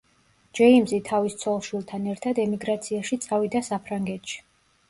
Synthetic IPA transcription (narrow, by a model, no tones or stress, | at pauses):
d͡ʒɛimzit̪ʰavist̪sʰɔlˠʃwilˠt̪ʰanɛɾt̪ʰad̪ɛmiɡɾat̪sʰiaʃit̪sʼavid̪asapʰɾaŋɡɛt̪ʃi̥